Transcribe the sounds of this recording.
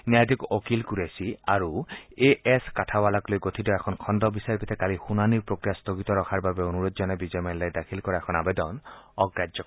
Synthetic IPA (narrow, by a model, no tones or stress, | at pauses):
njajd̪ʱikokilkuɾesiaɹueʔeskatʰabalaklojɡot̪ʰid̪ɔɛkʰɔnkʰɔnd̪ɔbisaɹpʰit̪ʰɛkalixunaniɹpɹokɾijast̪oɡit̪ɔɾɔkʰaɹbabeonuɾodzɔnabid͡ʒɔmajlajd̪akʰilkɔɾaɛkʰɔnabed̪ɔnɔɡɹad͡ʒd͡ʒɔ